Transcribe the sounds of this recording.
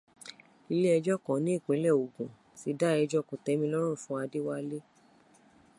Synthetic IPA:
i˧le˦ɛ˧d͡ʒɔ˦kɔ̃˨˦nĩ˨˦i˦˨k͡pĩ˨˦lɛ˦˨o˨ɡũ˨ | si˨˦da˦ɛ˧d͡ʒɔ˦kõ˨tɛ˨˦mĩ˧˦lɔ˦ɾ̃ũ˦˨fũ˦a˧de˦wa˦le˦

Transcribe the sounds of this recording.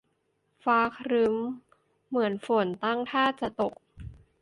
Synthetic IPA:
faː˧˥kʰɾɯ˦˥mː | ɯ˩˦ənfo˨˩˦nt̪a˥˩ŋt̪ʰaː˥˩t͡ɕa˨˩t̪o˨˩k̚

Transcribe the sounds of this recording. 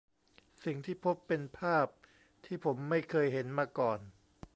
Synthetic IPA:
si˨˩ŋt̪ʰiː˥˩pʰo˦˥pːe˧npʰaː˥˩p̚ | t̪ʰiː˥˩pʰo˩˦mːa˥˩jkʰɤː˧jɦe˩˦nmaː˧kɔː˨˩n

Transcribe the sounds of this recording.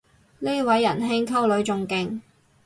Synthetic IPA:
ne˥wɐ˨˥jːɐ˨˩nɦɪ˥ŋkʰɐ˥wlɵ˨˥ɥt͡sʊ˨˧ŋkɪ˧ŋ

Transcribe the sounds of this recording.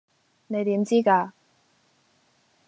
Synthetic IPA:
ne˨˧jt̪iː˨˥mt͡siː˥kaː˧

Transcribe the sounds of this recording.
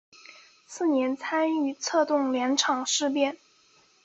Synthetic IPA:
sɹ̩˥˩njɛ˧˥nt͡sʰa˥ny˥˩t͡sʰɤ˥˧t̪ʊ˥˩ŋljɛ˧˥nʈ͡ʂʰɑ˨˩ŋʂɻ̩˥˧pjɛ˥˩n

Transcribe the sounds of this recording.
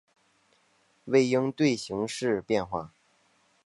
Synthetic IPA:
we˥˩ɪji˥ŋt̪we˥˩ɪɕi˧˥ŋʂɻ̩˥˧pjɛ˥˧nxwa˥˩

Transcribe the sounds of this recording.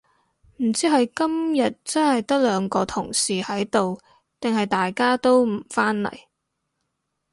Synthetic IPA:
m̩˨˩t͡siː˥ɦɐ˨jkɐ˥mjɐ˨t̚t͡sɐ˥nhɐ˨jt̪ɐ˥k̚lœː˨˧ŋkɔː˧t̪ʰʊ˨˩ŋsiː˨hɐ˨˥jt̪o˨w | t̪ɪ˨ŋhɐ˨jt̪aː˨jkaː˥t̪o˥wm̩˨˩faː˥nlɐ̰˨˩j

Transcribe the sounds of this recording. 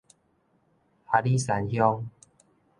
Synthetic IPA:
ha˨li˦sa˨˦nhjɔ˦ŋ

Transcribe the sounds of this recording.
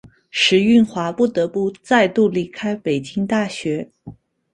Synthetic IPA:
ʂɻ̩˧˥y˥˩nxwa˧˥pu˥˩t̪ɤ˧˥pu˥˧t͡sa˥˧ɪt̪u˥˩li˧˥kʰa˥ɪpe˨˩ɪt͡ɕi˥ŋt̪a˥˩ɕɥɛ˧˥

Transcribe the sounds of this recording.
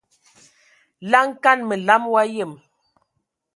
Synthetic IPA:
la˦ŋ˦ka˦˨nmə˨la˨˦mwa˦je˦˨m

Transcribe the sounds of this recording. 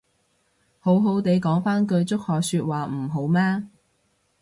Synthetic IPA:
ho˨˥wɦo˨˧˥wt̪e˨˧jkɔː˨˥ŋfaː˥nk̬ɵ˧ɥt͡sʊ˥k̚hɔː˨k̚syː˧t̚waː˨m̩˨˩ɦo˨˥wmaː˥

